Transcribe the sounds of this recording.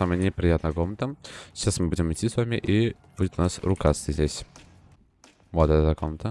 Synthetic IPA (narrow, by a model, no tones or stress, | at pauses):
saməjənʲɪpɾʲɪjat̪nəjəɡomnt̪əɪɕasmɨbudʲɪmɨtʲːisvamʲɪʔib̥udʲɪt̪nasɾʊkasʲt̪ʲəzʲdʲesʲ | vot̪ɛt̪əəɡomnət̪ə